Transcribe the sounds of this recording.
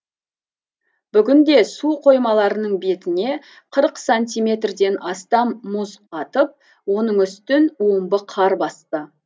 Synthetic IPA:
b̥ʏɡʲɪnd̪e̞suqʰo̞jmɑlˠɑɾənəɴbe̞t̪ɪne̞ | qʰəɾəqsanʲt̪ʲijmʲe̞t̪rd̪e̞nʔɑst̪ɑmːʊzɑt̪əp̚ | wo̞nəɴʏst̪ɪnwo̞mbəqʰɑɾbɑst̪ə

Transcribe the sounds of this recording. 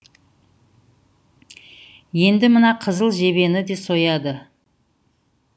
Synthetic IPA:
je̞nd̪ɪmənɑqʰəzəlˠʒe̞βe̞nɪd̪e̞so̞jɑd̪ə

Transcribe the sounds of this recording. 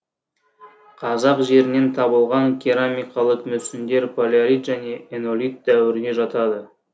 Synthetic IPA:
qʰɑzɑqʒe̞ɾɪne̞nt̪ʰɑbəlˠʁɑŋkʲʰiɾamijqɑlˠəqmɵsɪnd̪e̞ɾpʰolʲaɾit̪ʒæne̞ʔeno̞lʲit̪̚d̪æwɪɾɪne̞ʒɑt̪ɑd̪ə

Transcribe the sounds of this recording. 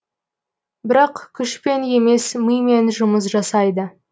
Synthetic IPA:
bɪɾɑqkʲʰʏʃpe̞ne̞me̞sməjme̞nʒʊməs̬ʒɑsɑjd̪ə

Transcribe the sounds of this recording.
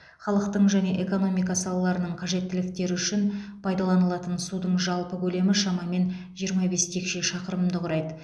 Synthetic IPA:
χɑlˠəq̚t̪əɴʒæne̞ʔe̞ko̞no̞mijkɑsɑlˠɑlˠɑɾənəɴqʰɑʒe̞t̪ːɪlɪk̚t̪e̞ɾɪʏʃɪnpʰɑjd̪ɑlˠɑnəlˠɑt̪ənsud̪əɴʒɑlˠpəkʲʰɵle̞mɪʃɑmɑme̞n | ʒijəɾmɑbe̞st̪ʰe̞kʃe̞ʃɑqəɾəmd̪əqʊɾɑjd̪ə

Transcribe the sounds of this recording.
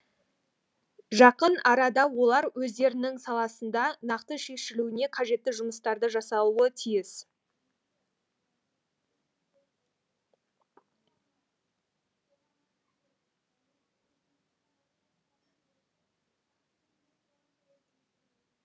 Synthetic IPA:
ʒɑqənɑɾɑd̪ɑwo̞lˠɑɾwɵzd̪e̞ɾɪnɪŋsɑlˠɑsənd̪ɑnɑqt̪əʃe̞ʃɪluɪne̞qʰɑʒe̞t̪ːɪʒʊməst̪ɑɾd̪əʒɑsɑlˠuət̪ʰijɪs

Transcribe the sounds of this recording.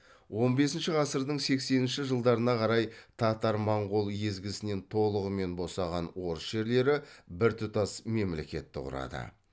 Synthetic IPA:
wo̞nbe̞sɪnʃɪʁɑsəɾd̪əɴse̞kse̞nɪnʃɪʒəlˠd̪ɑɾənɑqʰɑɾɑjt̪ʰɑt̪ɑɾmɑɴʁo̞lˠje̞zɡʲɪsɪne̞nt̪ʰo̞lˠəʁəme̞nbo̞sɑʁɑnwo̞ɾəsʒe̞ɾle̞ɾɪbɪɾt̪ʰʊt̪ɑsme̞mle̞̰kʲe̞t̪ːɪqʊ̰ɾɑ̰d̪ə̰

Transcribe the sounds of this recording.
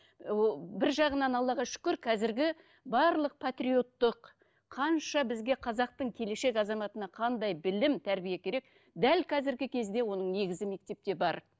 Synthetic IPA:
bɪɾʒɑʁənɑnɑlˠːɑʁɑʃʏ̥kʲɪɾkʰɑzɪɾɡʲɪ | bɑɾlˠəq̚pʰat̪rijo̞t̪ːəqʰː | ɑnʃɑbɪzɡʲe̞qʰɑzɑq̚t̪əɴkʲʰe̞le̞ʃe̞kɑzɑmɑt̪ənɑqʰɑnd̪ɑjbɪlɪmt̪ʰæɾbijekʲʰe̞ɾe̞k | d̪ælkʰɑzɪɾɡʲɪkʲʰe̞zd̪e̞wo̞nəɴne̞ɡʲɪzɪme̞k̚t̪e̞p̚t̪e̞bɑɾ

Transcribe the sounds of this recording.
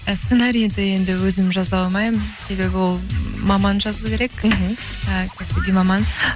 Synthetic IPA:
st̪senɑɾijend̪ɪe̞nd̪ɪwɵzɪmʒɑzɑlˠmɑjmse̞be̞bɪwo̞lˠmɑmɑnʒɑzukʲʰe̞ɾe̞kɦ̩ | əkʲʰæsɪɡʲemɑmɑn

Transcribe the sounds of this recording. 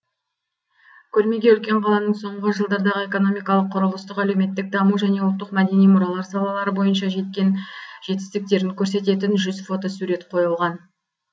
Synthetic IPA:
kʲʰɵɾme̞ɡʲe̞ʏlkʲe̞ɴqʰɑlˠɑnəɴso̞ɴʁəʒəlˠd̪ɑɾd̪ɑʁəe̞ko̞no̞mijkɑlˠəqʰːʊɾəlˠəst̪əqæle̞wme̞t̪ːɪk̚d̪ɑmuʒæne̞wʊlˠt̪ːəqmæd̪e̞nijmʊɾɑlˠɑɾsɑlˠɑlˠɑɾəbo̞jənʃɑʒe̞t̪̚kʲe̞nʒ̥e̞t̪ɪ̥st̪ɪk̚t̪e̞ɾɪŋkʲʰɵɾse̞t̪e̞t̪̬ɪnʒʏzfo̞t̪o̞suɾe̞t̪qʰo̞jəlˠʁɑn

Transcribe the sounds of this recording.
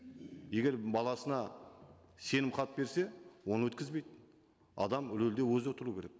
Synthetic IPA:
je̞ɡʲe̞ɾbɑlˠɑsənɑ | se̞nɪmqʰɑt̪əbe̞ɾse̞wo̞nəwɵt̪kʲɪzbe̞jd̪ | ɑ̰d̪ɑmʏlɵld̪e̞wɵzwot̪əɾuːkʲeɾek̚

